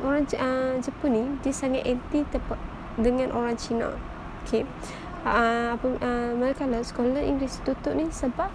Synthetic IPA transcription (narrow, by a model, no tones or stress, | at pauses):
oɾaŋəd͡ʒəpʊnidiəsaŋaʔ̪ɛnt̪it̪əp | dəŋãnʔoɾaŋt͡ʃinã̰ | okʰe | apəəmaɾɛkalaskolaḭŋɡɾɪst̪ut̪ʊʔnisəbap̚